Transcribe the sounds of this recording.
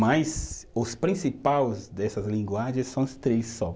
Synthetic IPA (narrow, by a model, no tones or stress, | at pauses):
majzʊspɾĩsipawzd̪ɛsɐzlĩŋɡwaʒẽsɐ̃w̃ɐst̪ɾesːɔ